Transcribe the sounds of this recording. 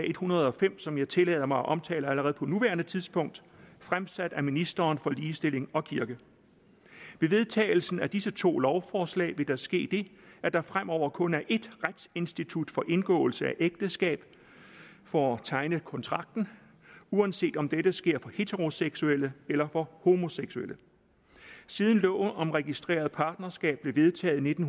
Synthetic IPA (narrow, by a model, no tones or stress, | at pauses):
e̝d̥hunɐð̞̩ˠɒ̽fem̰sɒ̽mjɑ̈ɪt͡sʰe̝lɛ̰ːð̞ˠɐmɑ̈ɪɒʔɒ̽mt͡sʰɛ̰ːlɐæləʁɛːð̞̩ˠpʰɒ̽nuʋæːɐnət͡sʰiðˠspʰɔ̽ŋ̰d̥fʁamsæd̥æminisd̥ɐːnfɒ̽liːsd̥e̝l̰e̝ŋɒ̽kʰiɐɡ̥ə | ʋe̝ʋe̝ðˠt͡sʰɛ̰ːɪl̩sn̩æd̥isət͡sʰo̝̰ːlɒʊfɒːslɛ̰ːɪʋe̝d̥ɑsɡ̥e̝̰ːd̥e̝æd̥ɑfʁam̰ʔɒʊ̰ɐkʰɔ̽næɐʔe̝d̥ʁad̥se̝nsd̥it͡sʰud̥fɒ̽ʔe̝nɡ̥ɔ̰̽ːʊl̩səæʔeɡ̥̚d̥əsɡ̥ɛ̰ːb̥ | fɒɒt͡sʰɑ̈ɪnəkʰɒ̽nt͡sʰʁɑ̈ɡ̥̚d̥n̩ | uænse̝̰ːd̥ɒ̽md̥eɾ̥əsɡ̥e̝ɐ̰fɒ̽he̝t͡sʰeʁo̝seɡ̥suel̰əelɐfɒ̽ho̝mo̝seɡ̥suelʔə | siːð̞ˠn̩lɔ̰ːɒ̽mʁɛɡ̥isd̥ʁḛːɐð̩ˠpʰɑ̈ːd̥̚nɐsɡ̥ɛ̰ːb̥̚b̥le̝ʋe̝ð̞ˠt͡sʰɛ̰ːð̩ˠne̝d̥n̩